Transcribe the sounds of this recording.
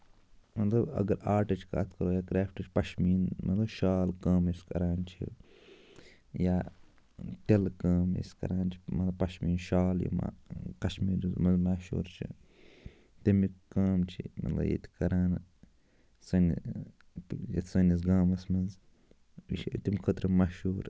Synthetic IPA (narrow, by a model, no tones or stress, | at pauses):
mɐt̪lɐbɐ̰ɡɐɾaːɾʈɐt͡ʃʰka̰ːt̪ʰkɐɾoːjaːkɾaːfʈɐt͡ʃʰi̥pɐʃmiːnmɐt̪lɐbʃaːlkaːmeskɐɾaːnt͡ʃʰḭ | jaː | t̪elkaːmḛskɐ̰ɾaːnt͡ʃʰi̥mɐt̪lɐbpɐʃmiːnʃaːljḭma̰kɐʃmiːɾuzmɐnzmaːʃṵːɾt͡ʃʰḭ | t̪emikaːmt͡ʃʰimɐ̰t̪lɐ̰jḛt̪ʰi̥kɐɾaːn | sɐn | jḛt̪ʰʲsɐnisɡaːmɐsmɐz | it̪imkʰɐt̪ɾɐmaʃuːɾ